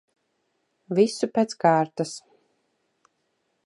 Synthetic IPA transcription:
visupʲeːt̪skaːɾt̪as

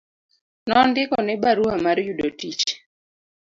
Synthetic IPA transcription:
nɔndɪkɔnɛbaɾuamaɾjudotit͡ʃ

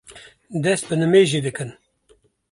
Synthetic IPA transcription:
d̪ɛst̪̚bɨnɨmeːʒid̪ɨkɨn

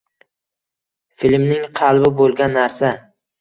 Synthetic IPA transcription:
filmnɪŋqʰɑlˠbɪbolˠɡʲanːaɾsa

